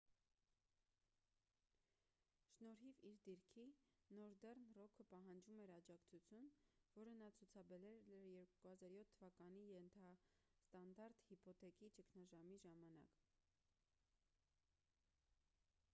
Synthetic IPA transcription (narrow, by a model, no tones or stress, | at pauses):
ʃnɔɾɦiviɾd̪iɾkʰinɔɾd̪ɛrnrɔkʰəpɑɦɑnd͡ʒumɛɾɑd͡ʒɑkt͡sʰut͡sʰjunvɔɾənɑt͡sʰut͡sʰɑbɛɾɛɛɾjɛɾkuhɑzɑɾjɔt̪ʰːəvɑkɑnijɛnt̪ʰɑst̪ɑnd̪ɑɾt̪hipɔt̪ʰɛkit͡ʃəkʰnɑʒɑmiʒɑmɑnɑ̰k